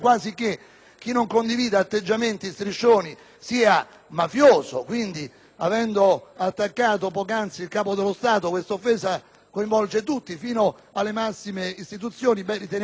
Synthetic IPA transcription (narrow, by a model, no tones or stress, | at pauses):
kwaːzik̟ːe | k̟ːinːoŋkond̪iviːd̪aːt̪ːed͡ʒːament̪ist̪ɾit͡ʃːoːni | siːa | mafjoːzo̰kwind̪i | avɛnd̪oat̪ːakːaːt̪opɔːkant̪silkaːpod̪elːost̪aːt̪okwest̪aofːɛːsa | koiɱvɔlt͡ʃet̪ut̪ːifiːno | alːemasːimeist̪it̪̬ut̪sjoːnibɛrit̪en